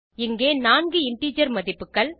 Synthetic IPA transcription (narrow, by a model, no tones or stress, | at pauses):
ɪŋɡeːnaːnɡɯɪɳʈiːd͡ʒɐɾmɐðɪpːɯkːɐɭ